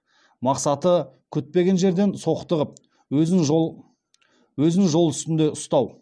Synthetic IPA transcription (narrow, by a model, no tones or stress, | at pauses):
mɑqsɑt̪ə | kʲʰʏt̪̚pe̞ɡʲe̞nʒe̞ɾd̪e̞nso̞qət̪əʁəp̚ | wɪŋʒ | wɵzɪŋʒo̞lˠʏst̪ɪnd̪e̞ʊst̪ɑw